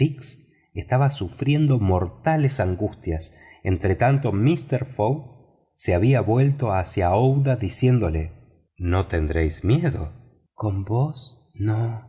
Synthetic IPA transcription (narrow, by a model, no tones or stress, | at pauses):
iks | est̪aβasufɾje̞nd̪o̞mo̞ɾt̪alesaŋɡust̪jas | ent̪ɾet̪ant̪o̞mist̪eɾfoɣ | seaβiaβwe̞lt̪o̞asjaowðaðisje̞nd̪o̞le | no̞t̪e̞nd̪ɾejzmjeðo̰ | ko̞mbos | no